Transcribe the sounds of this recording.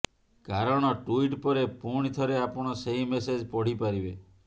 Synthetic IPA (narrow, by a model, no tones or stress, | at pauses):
kaɾɔɽ̃ɔʈuiʈpɔɾepuɽ̃it̪ʰɔɾeapɔɽ̃ɔseɦimesed͡ʒpɔɽ̤ipaɾibe